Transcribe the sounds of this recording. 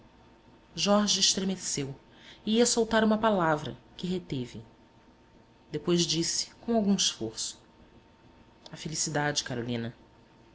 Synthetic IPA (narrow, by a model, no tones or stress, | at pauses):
ʒɔɾʒieʃt̪ɾemesew | iiɐsowt̪aɾũmɐpalavɾɐ̰kɪɦet̪evɪ | d̪epojzd͡ʒisɪ̥kõw̃awɡũiʃfoɾsʊ̥ | afelisid̪ad͡ʒɪkaɾolĩnɐ